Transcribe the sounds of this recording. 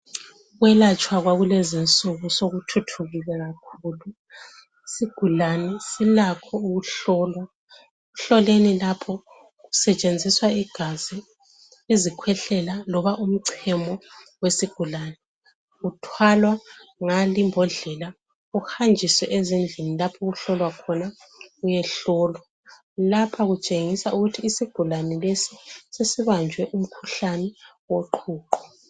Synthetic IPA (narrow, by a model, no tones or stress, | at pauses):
ɣwɛlat͡ʃʼwaɣwaɣulɛzint͡sʼuɣusoɣutʰutʰuɣiɣɛɣakʰuːlu | isiɡ̥ʱulanɛsilakʰɔuɣuɬɔːlwa | ɣuɬɔlenilapʰɔ | ɣusɛt͡ʃʼend͡zʱiswaiɡ̥ʱazi | izikʰwɛɬɛlalɔβaʔum̩ǀʰɛmɔwesiɡ̥ʱulanɛ | ɣutʰwalwaŋalimbʱɔɮɛla | uxand͡ʒʱiswɛʔezind͡ɮʱinilapʰɔɣuɬɔlwakʰɔna | ɣujɛɬɔːlwa | lapʰaɣut͡ʃʼeŋisaʔuɣutʰiːsiɡ̥ʱulanɛlesisesiβand͡ʒʱwɛʔum̩kʰuɬanɛ | woǃʰuːǃɔ̥